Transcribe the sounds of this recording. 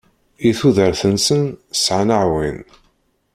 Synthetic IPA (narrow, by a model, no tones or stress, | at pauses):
iθuðəɾθənsənsʕanəʕwḭn